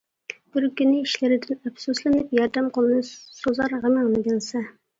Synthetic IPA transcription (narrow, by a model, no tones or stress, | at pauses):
b̥ɪɾkʲynːɪiʃlɪɾɪd̪ɪnɛpsuslˠɨnɨpjɑɾd̪ɛmqəlˠɨnɨsozɑɾʁəmɨʁnɨɡʲɪlˠsɛ